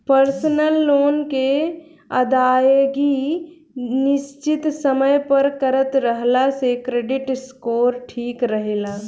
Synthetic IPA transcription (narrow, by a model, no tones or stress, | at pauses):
pəɾsənəlːoːnke | əd̪aːjɡi | nɪst͡ʃɪt̪səməjpəɾkəɾət̪ɾəɦlasekɾeːɖɪʈskoːɾʈʰiːkɾəɦela